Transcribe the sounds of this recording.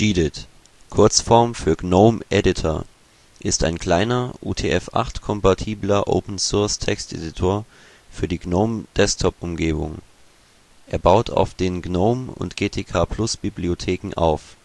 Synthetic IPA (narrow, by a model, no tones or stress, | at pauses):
iːdɪt | kʰʊɐt͡sfɔɐmfyːɐɡnoʊmʔɛdɪtʰo | ʔɪsta̰ɪnkʰl̥aɪnɐʔṵːtʰeːʔɛfʔa̰χtkʰɔmpatʰiːblɐʔo̰ʊpn̩sʊɐstʰɛkstʔḛdɪtʰoːɐ | fyːɐdiːɡnoʊmd̥ɛstʰɔpʊmɡeːbʊ̰ŋ | ʔeːɐbaʊtʰa̰ʊfd̥eːnɡnoʊmʊ̰ntɡ̥eːtʰeːkʰaːpl̥ʊsb̥ibliotʰeːkŋ̩ʔa̰ʊf